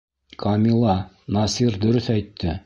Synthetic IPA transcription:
kʰɐmʲilˠɑ | nɑsiɾd̪ɵ̆ɾɵθæjt̪ʰːɘ

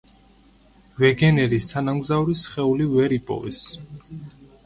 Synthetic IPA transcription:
vɛɡɛnɛɾist̪ʰanamɡzauɾisχɛulivɛɾipʼɔ̰vɛ̰s

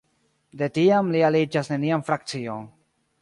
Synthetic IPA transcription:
de̞tiamlialid͡ʒasne̞nianfɾak̚t͡sio̞n

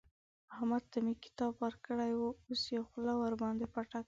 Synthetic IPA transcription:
ʊhamad̪̚t̪amekɪ̥t̪ɑbwəɾkəɽajwuosjawxlɑwaɾbɑnd̪epaʈak

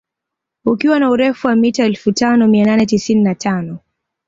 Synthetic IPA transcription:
ukiwanauɾɛfuwamitaɛlfutanɔmiananɛtisininatʰanɔ

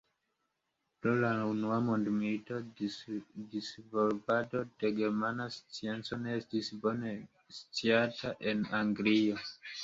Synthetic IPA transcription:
pɾolaunuamondmilito̞ | disvolbado̞deɡeɾmanast͡sie̞nt͡so̞ne̞estisbo̞ne̞ | st͡siataʔe̞naŋɡlio

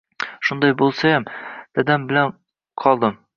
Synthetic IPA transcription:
ʃʊnd̪ɒjbolˠsajamd̪̥æd̪ambɪlan | qʰɒlˠd̪ɤm

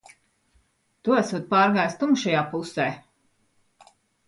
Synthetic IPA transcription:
t̪uæsuɔt̪̚paːɾɡaːjst̪umʃajaːpusɛː

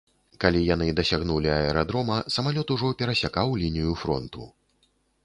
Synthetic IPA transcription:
kalʲijan̪ɨd̪ɐsʲaɣnulʲiɐɛɾad̪ɾɔmɐsɐmalʲɔt̪uʐɔpʲɛɾɐsʲakawlʲinʲijufɾɔ̰nt̪ṵ

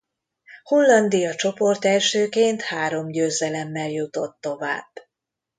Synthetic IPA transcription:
holːɒnd̪ijɒt͡ʃo̞po̞rt̪ɛlʃøːkeːnt̪haːɾo̞mɟøːzɛlɛmːɛljut̪o̞t̪ːo̞va̰ːb̥

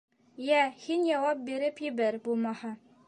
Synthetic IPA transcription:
jæhinjɑwɑp̚biɾɘpjɘ̆bæɾbulˠmɑhɑ

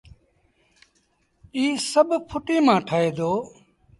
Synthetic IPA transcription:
iːsəɓpʰʊʈiːmãːʈʰaːeːd̪oː

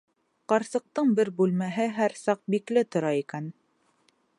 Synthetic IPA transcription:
qɑɾsɤ̆q̚t̪ɤɴbɘɾbʉlmæɦɘɦæɾsɑq̚biklɘt̪ŏɾɑikæn

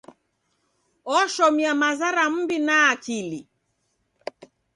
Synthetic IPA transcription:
ɔʃɔmiamazaɾam̩binaːkili

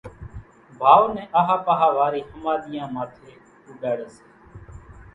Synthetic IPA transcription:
bʱaːʋnɛ̃ːʔəɦaːpəɦaːʋaːɾiːhəmaːɗ̪ɪjãːmaːt̪ʰeː | uːɖaːɽəseː

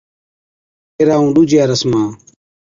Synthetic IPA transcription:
eːɾaːũːɗud͡ʒjaːɾəsmãː

